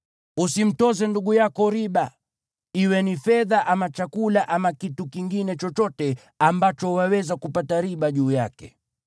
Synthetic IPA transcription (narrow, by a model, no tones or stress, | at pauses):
usim̩tɔzɛnduɠujakɔɾiɓa | iwɛnifɛðaʔamat͡ʃakulaʔamakitukiŋɡinɛt͡ʃɔt͡ʃɔtɛ | ambat͡ʃɔwawɛzakupataɾiɓaʄuːjakɛ̰